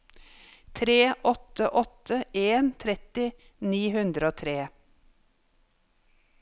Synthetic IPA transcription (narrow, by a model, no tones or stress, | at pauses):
t̪ʰɾeːʔɔt̪əʔɔt̪ʰəʔeːnt̪ʰɾɛt̪ɪ | niːhʉnd̪ɾoːt̪ʰɾeː